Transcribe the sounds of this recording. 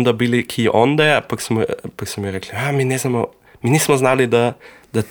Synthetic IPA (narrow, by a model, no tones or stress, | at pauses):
nd̪abiːlikʰiːʔɔnd̪ɛapaksipaksmɔmiɾɛkliaminɛznamɔ | minismɔznalid̪a | d̪a